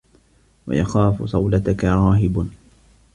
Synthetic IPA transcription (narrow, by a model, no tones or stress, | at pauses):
wa̰jaxaːfsˤɑwlat̪akaɾˤɑːɦɪb